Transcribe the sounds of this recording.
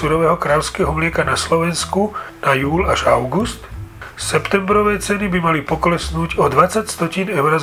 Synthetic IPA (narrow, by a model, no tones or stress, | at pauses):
uɾɔʋɛːɦɔkɾalʊskɛːɦɔmlɪɛkanaslɔʋɛnskunajuːlaʒaʊɡust̪sɛpt̪ɛmbɾɔʋɛːt͡sɛnibimalipɔklɛsnuːɟɔd̪ʋat͡sacst̪ɔciːnɛʊɾaz